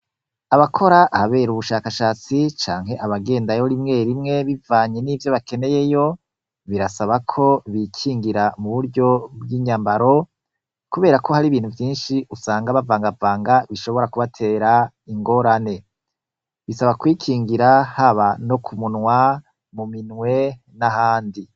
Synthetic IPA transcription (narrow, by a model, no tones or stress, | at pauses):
aβakʰo̞ɾaʔaaβe̞ːɾuβuʃaːkaʃaːt͡sit͡ʃaːŋɦe̞ʔaβaɡe̞ːndajoɾimŋe̞ːɾimŋe̞βivaːɲe̞nivjo̞βake̞ne̞je̞jo̞ | βiɾasaβakʰo̞βikʰiːŋɡiɾamuβuɾɟo̞bɡiːɲaːmbaɾo̞ | kuβe̞ːɾako̞haɾiβiːn̥huvjiːnʃiʔusaːŋɡaβavaːŋɡavaːŋɡaβiʃo̞βo̞ɾakuβatʰe̞ːɾa | iŋɡo̞ɾane̞ | βisaβakwiːkʰiːŋɡiɾahaβano̞kʰumunŋwa | muminŋwe̞ | nahaːndi